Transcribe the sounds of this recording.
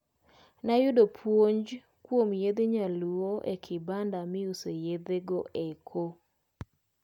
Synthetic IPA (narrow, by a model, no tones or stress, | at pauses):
najʊdopʰwoɲd͡ʒ | kwomjed̪eɲaluoʔḛkʰɪbandamɪusejed̪eɡoʔekʰo